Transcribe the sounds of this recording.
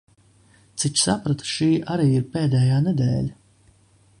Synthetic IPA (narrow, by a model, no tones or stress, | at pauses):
t͡sʰɪt͡ʃsapɾɐt̪ʰʂiːʔaɾiːirpɛːd̪ɛːjaːnɛd̪ɛ̰ːlʲ